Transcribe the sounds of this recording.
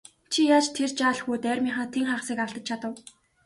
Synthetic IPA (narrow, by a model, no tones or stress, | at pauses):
t͡ɕʰijaːt͡ɕt̪ʰert͡ɕaːɮxuːt̪æːrʲmʲiɴχăːt̪ʰeŋχaːʁ̆siːkăɬt̪ə̆t͡ɕ̚t͡ɕʰat̪ə̆w